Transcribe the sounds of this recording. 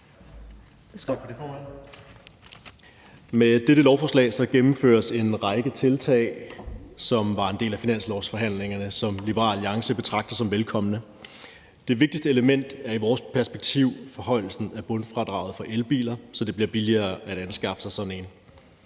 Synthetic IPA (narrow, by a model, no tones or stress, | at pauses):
med̥eɾ̥əlɒʊfɒːslɛ̰ːsɒ̽ɡ̥emm̩fø̰ːɐse̝nʁɑ̈ɪɡ̥ət͡sʰe̝lt͡sʰɛ̰ɪsɒ̽mʋɑ̈e̝nde̝̰ːlæfinæn̰slɒʊsfɒ̽ɦæn̰le̝ŋɐnəsɒ̽mlib̥əʁɑ̰̈ːljɑ̈ŋsəb̥e̝t͡sʰʁɑ̈ɡ̥̚d̥ɐsɒ̽mʋelkʰɒ̽m̰ənə | d̥e̝ʋe̝ɡ̥̚d̥isd̥əeləmen̰d̥æɐiʋɒːspʰæɐsb̥eɡ̥̚t͡sʰiʊ̰fɒ̽ɦɒ̽ɪ̰l̩sn̩æb̥ɔ̽nfʁɑ̈d̥ʁɑ̈ːʊð̩ˠfɒ̽ʔelb̥ḭːlɐsɒ̽d̥e̝b̥liɐ̰b̥iliɐːæɾ̥ænsɡ̥ɑ̈fə̥sɑ̈ɪsɒ̽d̥n̩e̝n